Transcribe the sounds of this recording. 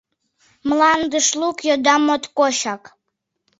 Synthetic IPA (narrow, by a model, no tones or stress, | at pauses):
mlɑnd̪əʃlukjod̪ɑmot̪koɕɑk